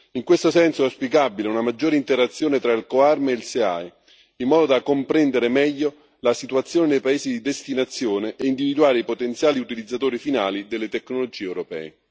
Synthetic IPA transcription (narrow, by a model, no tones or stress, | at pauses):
iŋkwest̪osɛnsoɛspikabileunamad͡ʒːoːɾeint̪eɾat̪sːjoːnet̪ɾailkoarmeilsea̰j | imːɔːd̪od̪akompɾɛnd̪eɾemɛʎːo | lasit̪uat̪sːjoːnenejpaeːzid̪id̪est̪inat̪sːjoːneʔɛind̪ivid̪uaːɾeipot̪ent̪sjaːliut̪ilid̪zːat̪oːɾifinaːlid̪elːet̪ekːnolod͡ʒiːeɛwɾopɛ̰ːe